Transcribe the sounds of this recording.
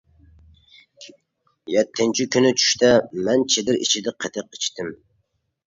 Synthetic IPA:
jɛt̪ʰːɪnt͡ʃʰikʲynɪt͡ʃʰy̥ʃt̪ʰɛmɛnt͡ʃʰed̪ɪɾḭt͡ʃʰid̪ɪqʰət̪ʰɨq̚it͡ʃt̪ʰɪm

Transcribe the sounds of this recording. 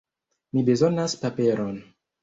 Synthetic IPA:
mibe̞zo̞naspape̞ɾon

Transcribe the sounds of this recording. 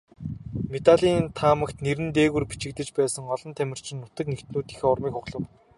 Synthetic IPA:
met̪aɮiːnt̪ʰaːmə̆kt̪neɾɘ̆nt̪eːɣɘ̆rpi̥t͡ɕɪ̆kt̪ɘ̆t͡ɕpæːsə̆ŋɔɮɞ̆nt̪ʰæmʲɪ̆r̥t͡ɕʰɪ̆nːʊt̪ə̆knekt̪nuːt̪iːxeːʊrmiːkxʊqɮə̆w

